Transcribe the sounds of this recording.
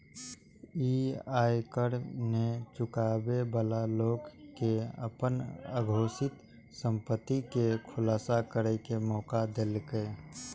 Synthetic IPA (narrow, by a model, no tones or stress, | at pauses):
iaːjkəɽnet͡ʃʊkaːbebəlaloːɡkeə̰pənə̰ɡʱoːsɪt̪ | sə̃mpət̪ːikekʰʊlaːsakəɾəkemɔːkad̪eːlkə